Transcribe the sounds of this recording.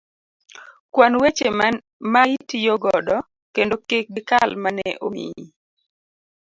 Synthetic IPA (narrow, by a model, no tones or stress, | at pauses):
kwanwet͡ʃe | maitijoɡɔdɔ | kendokek̚ɡɪkalmanɛʔomḭji